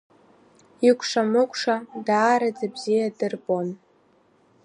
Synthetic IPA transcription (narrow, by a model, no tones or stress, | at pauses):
ikʷʰʂamɨkʷʰʼʂadaːɾad͡zabzijadɨrbʼo̞n